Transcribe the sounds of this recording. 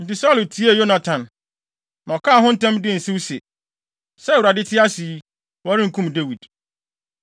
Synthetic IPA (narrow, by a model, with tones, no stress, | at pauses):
n̩˨tɪ˨sa˦lo˨tʰi˦e˦˨jo˦nã˨tʰã˨n | nã˨ɔ˨kʰaː˦˨ɦʊ̃˦n̩˦tʰã˦mdɪ˦˨n̩˨sɪ̃˦wse˨ | sɛ˦wu˨ɾa˨dɪ˦tʰɪ˦a˦si˨˦ | wɔ˦ɾɪ̃˦ŋ̩˨kʰũ˦mde˦wi˨d̥